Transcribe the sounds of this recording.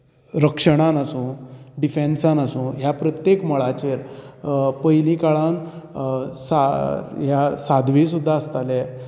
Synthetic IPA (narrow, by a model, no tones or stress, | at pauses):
ɾəkʂəɽ̃anəsũːɖifensanəsũːnɦjapɾət̪jekməɭat͡ɕeɾ | pəjlĩkaɭan | saɦjasad̪ʱʋĩsud̪ʱːaəst̪ale